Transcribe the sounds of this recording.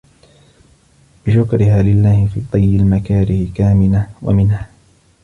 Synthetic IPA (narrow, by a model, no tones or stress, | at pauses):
b̥ɪʃʊkɾɪɦaːlɪlːaːhɪfḭːt̪ˤɑjːɪlmakaːɾɪhɪkaːmɪlawa̰mɪnhaː